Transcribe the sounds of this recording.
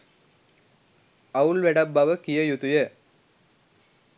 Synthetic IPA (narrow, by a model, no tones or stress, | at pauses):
ɐuɭʋɛɽɐbːɐʋɐkijɐjut̪ujɐ